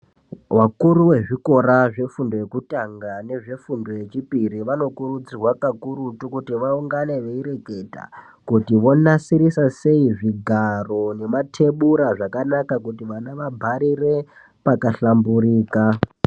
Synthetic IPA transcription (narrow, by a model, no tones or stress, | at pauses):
wakuɾuwe̞ʐiko̞ɾaʐe̞fundo̞je̞kutaŋɡane̞ʐe̞fundo̞je̞t͡ʃipiɾiʋano̞kuɾud͡zirwakakuɾutukutiʋauŋɡaneʋe̞iɾe̞ke̞ta̰ | kutiʋo̞nasiɾisase̞iʐiɡʱaro̞ne̞matʰe̞ɓuɾaʐakanakakutiʋanaʋabʱaɾire̞ | pakaɬambuɾiːka